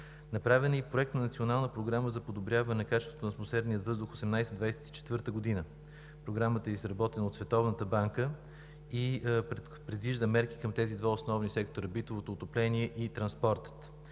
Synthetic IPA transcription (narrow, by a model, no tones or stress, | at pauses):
nɐpɾavɛnipɾoɛk̚t̪nɐnɐt̪sionalˠnəpɾoɡɾaməzɐpod̪obɾʲjavənɛnɐkat͡ʃɛst̪vot̪onɐt̪mosɛd̪nijət̪vɤzd̪ʊxosɛmnajsɛd̪vajsɛ̥t̪i̥t͡ʃɛ̥t̪vɤɾt̪əɡod̪inə | pɾoɡɾamət̪əɛizɾɐbɔt̪ɛnəot̪svɛt̪ɔvnət̪əbaŋkə | i | pɾɛd̪viʒd̪əmɛɾki̥kəmt̪ɛzid̪vaosnɔvnisɛk̚t̪oɾəbit̪ovot̪oːt̪oplɛniɛʔit̪ɾɐnspɔɾt̪ə̥t̪